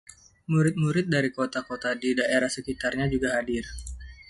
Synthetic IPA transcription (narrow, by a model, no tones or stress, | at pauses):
muɾɪt̪̚muɾɪt̪̚daɾikot̪akot̪adidaʔeɾahsəkit̪arɲad͡ʒuɡaɦadɪr